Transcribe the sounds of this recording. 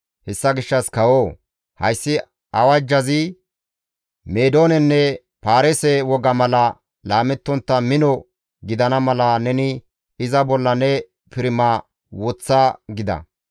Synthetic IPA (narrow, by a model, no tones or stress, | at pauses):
hɛsːɐɡɪʃːɐskɐwoː | hɐjsːɪ | ʔɐwɐd͡ʒːɐzɪ | meːd̪o̞ːnɛnːɛ | paːɾɛsɛwɔɡɐmɐlɐ | laːmɛt̪ːɔnt̪ːɐmɪnɔ | ɡɪd̪ɐnɐmɐlɐnɛnɪ | ɪzɐbɔlːɐnɛ | pɪɾɪma | wɔt͡sːaɡɪd̪ɐ̰